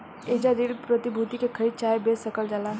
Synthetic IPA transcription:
eːd͡ʒaɾiːɾpɾət̪ibʱuːt̪ikekʰəɾiːd̪̚t͡ʃaːebeːsəkəld͡ʒalaː

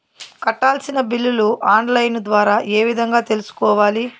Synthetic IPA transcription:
kɐʈːaːlsinɐbilːuluʔaːnlɐjnd̪ʋaːɾaːʔe̞ːʋid̪ʱɐŋɡaːt̪e̞lusu̥kɔːʋaːli

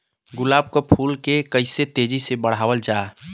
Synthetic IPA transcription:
ɡʊlaːb̚kopʰuːlkekəɪset̪ed͡ʒisebəɽ̤aːʋəld͡ʒa

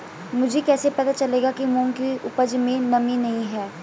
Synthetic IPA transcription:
mʊd͡ʒʱekɛːsepɐt̪at͡ʃɐleːɡakimõːŋkiʊpəd͡ʒmẽnɐminɐɦĩɦɛː

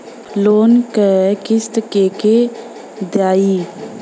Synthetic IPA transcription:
loːnkəkɪst̪keːke | d̪jaːiː

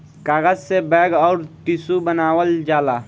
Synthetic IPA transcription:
kaːɡəd͡ʒsebɛːɡɔːɾt̪ɪsubənaːwəld͡ʒaːlaː

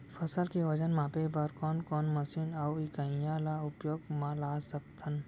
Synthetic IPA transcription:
fʰɐsəlkeʋɐd͡ʒənmãːpebəɾkɔːnkɔːnmɐsinawikəĩjalaːʊpjoːɡmãlaːsəkt̪ʰən

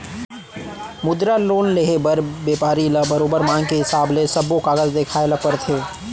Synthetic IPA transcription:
mʊd̪ɾaloːnleɦebəɾbeːpaːɾiləbəɾoːbəɾmãːŋɡkeɦɪsaːblesəbokaːɡəzd̪eːkʰaːeləpəɾt̪ʰeː

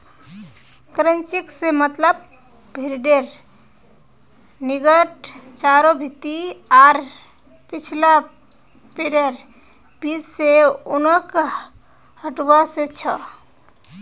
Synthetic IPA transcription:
kɾənt͡ʃiksemət̪ləb | bʱiɾɖeɾ | niɡəʈt͡ʃaɾobʱit̪iaɾ | pit͡ʃʰila | peɾeɾ | b̥id͡ʒseonək | həʈbaset͡ʃʰə

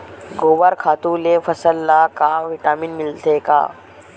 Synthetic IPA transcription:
ɡoːʋaɾkʰaːt̪ũlefɐsəlːakaʋɪʈaːmiːnmɪlt̪ʰeːka̰ː

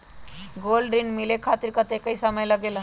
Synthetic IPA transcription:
ɡolɾinmilekʰat̪iɾkat̪ekəisəməjləɡela

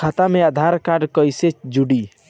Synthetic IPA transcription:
at̪amead̪ʱaɾkaɾɖkɔjset͡ʃd͡ʒuɽi

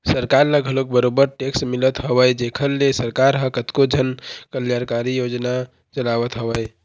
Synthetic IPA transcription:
səɾkaɾləɡʱəlok̚bəɾobəɾʈeksmilət̪ɦəbəjd͡ʒekʰəɾlesəɾkaɾɦə̃kət̪kod͡ʒʱənkəljaɾkaɾijod͡ʒna | t͡ʃəlawət̪ɦəbəj

